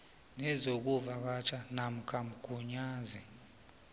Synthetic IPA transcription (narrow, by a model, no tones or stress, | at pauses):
nɛzok̬uvak̬at͡ʃʰanam̩kʰam̩ɡ̥ʱuɲaːzi